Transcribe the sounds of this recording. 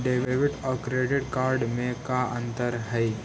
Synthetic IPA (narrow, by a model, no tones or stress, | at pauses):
ɖeːʋeʋɪʈɔkɾeɖɪʈkaːɾɖmẽkaʔə̃nt̪əɾɦəi